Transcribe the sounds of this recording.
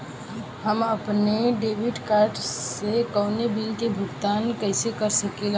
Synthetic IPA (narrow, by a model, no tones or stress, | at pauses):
ɦəməpneɖebiɖkaɾʈsekəʊnebilkebʱʊɡt̪aːnkəɪsekəɾsəkel